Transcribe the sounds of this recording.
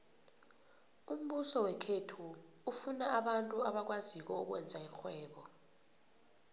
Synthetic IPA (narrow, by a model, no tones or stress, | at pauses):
um̩ɓusɔwɛkʰetʰuː | funaaɓantʼuaɓak̬wazik̬ɔuk̬wɛ̰nd͡zʱaixwɛːɓɔ